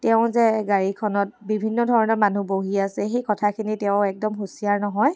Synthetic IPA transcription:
tɛʊ̃zɛɡaɹikʰɔnɔt̚bibʱinːɔdʱɔɹɔnɔɹmanuboɦiasɛxikɔtʰakʰinitɛʊ̃ɛk̚dɔmxusiaɹnɔɦɔj

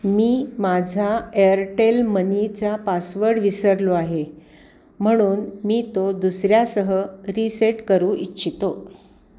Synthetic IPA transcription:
miːmad͡zʱaeəɾʈelmənit͡sapasʋəɾɽʋisəɾloaɦe | m̤əɽ̃uːnmiːt̪od̪usɾjasəɦəɾiseʈkəɾũːʔitːɕʰit̪o

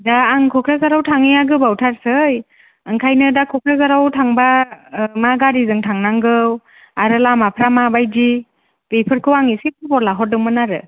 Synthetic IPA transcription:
daːŋkʰɔkʰɾazaɾawtʰaŋijaɡɯbawtʰaɾsɯj | ɯŋkʰajnɯdakʰɔkʰɾazaɾawtʰaŋbamaɡaɾizɯŋtʰaŋnaŋɡɯw | aɾɯlamapʰɾamabajdi | bejpʰɯɾkʰɯwaŋisipɯbɔɾlaɦɔdɯmɯnaɾɯ̰

